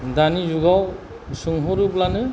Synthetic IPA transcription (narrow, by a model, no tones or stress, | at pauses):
danizuɡaw | sɯŋɦɔɾublanɯ